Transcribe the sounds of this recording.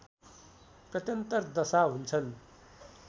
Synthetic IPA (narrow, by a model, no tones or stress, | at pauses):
prʌt̪jʌnt̪ʌrd̪ʌsaɦunt͡sʰʌn